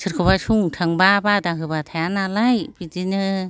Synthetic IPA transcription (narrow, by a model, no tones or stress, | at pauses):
sʰɯɾkʰɯbasuŋtʰaŋbabadaɦɯbat̪ʰajanalajbidinɯ